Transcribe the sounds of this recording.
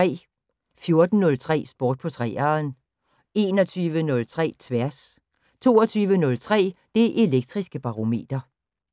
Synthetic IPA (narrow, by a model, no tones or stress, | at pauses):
ɛ̰ː | fjo̝ɐd̥n̩ːɔ̽lt͡sʰʁɛ̰ːsb̥ɒːd̥̚pʰɒ̽t͡sʰʁɛ̰ːɐn | e̝ːnɒt͡sʰyːʋənɔ̽lt͡sʰʁɛ̰ːt͡sʰʋæɐ̰s | t͡sʰo̝̰ːɒt͡sʰyːʋənɔ̽lt͡sʰʁɛ̰ːd̥e̝ʔe̝leɡ̥̚d̥ʁisɡ̥əb̥ɑ̈ʁo̝me̝̰ːd̥ɐ